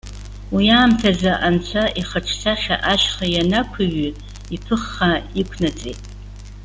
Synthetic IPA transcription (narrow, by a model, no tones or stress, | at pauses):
wijaːmtʰazaʔant͡ɕʷʰaʔiχaʈ͡ʂʰsaχʲa̰ʔaʃχajanakʷʰiɥi | ipʰɨχːaikʷʰnat͡sʼetʼ